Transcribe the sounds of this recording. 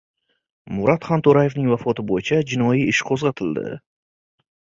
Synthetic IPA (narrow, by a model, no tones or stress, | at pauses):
mʊɾʔat̪χant̪ʰoɾaje̞vnɪŋvafɒt̪ʰɪbojɪt͡ʃʰad͡ʒɪnɒjiɪʃqʰozʁɑt̪ʰɪld̪ɪ̰